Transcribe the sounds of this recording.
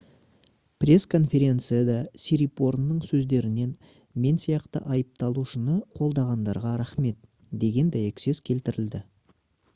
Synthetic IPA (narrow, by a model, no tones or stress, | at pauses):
prʲe̞skʰo̞nfʲe̞ɾʲe̞nt̪sɨjad̪ɑsiɾipo̞ɾnːəɴsɵzd̪e̞ɾɪne̞n | me̞nsijɑqt̪ə̰ʔɑjəp̚t̪ɑlˠuʃənəqʰo̞lˠd̪ɑʁɑnd̪ɑɾʁɑɾaχme̞t̪̚ | d̪e̞ɡʲe̞nd̪æjekʲse̞zkʲʰe̞lt̪ɪɾɪld̪ɪ